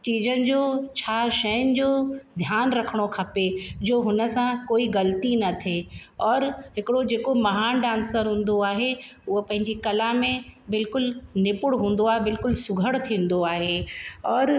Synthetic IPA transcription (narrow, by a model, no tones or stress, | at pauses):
t͡ɕiːzʱənɪ̆d͡ʑoːt͡ɕʰaːʃɐjənɪ̆d͡ʑoːd̪ʱjaːnɾɐkʰəɽ̃okʰɐped͡ʑoːɦʊnə̆sãkoːiɣɐlt̪inɐt̪ʰeɔːɾɦɪkɪɽod͡ʑeːkomɐɦaːnɖãːnsəɾɦũːn̆d̪oaːɦe | ʊɦopɐ̃ɦɪɲd͡ʑikɐlamẽbɪlkʊlnɪpʊɽɦũːn̆d̪oaːɦebɪlkʊlsʊɡʱəɽt̪ʰĩːn̆d̪oaːɦeɔːɾ